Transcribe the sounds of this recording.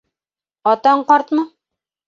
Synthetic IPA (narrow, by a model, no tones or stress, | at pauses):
ɒt̪ɑɴqɑɾt̪mɤ